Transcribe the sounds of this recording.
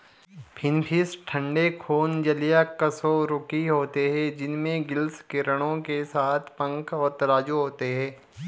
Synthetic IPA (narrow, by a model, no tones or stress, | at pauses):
pʰɪnpʰɪsʈʰə̃ɳɖekʰoːnd͡ʒɐlijakɐsoɾʊkiɦoːt̪eɦɛd͡ʒɪnmẽɡɪlskeɾəɽ̃õkesaːt̪ʰpɐ̃ŋkɔːɾt̪ɐɾaːd͡ʒuɦoːt̪eɦɛ̃ː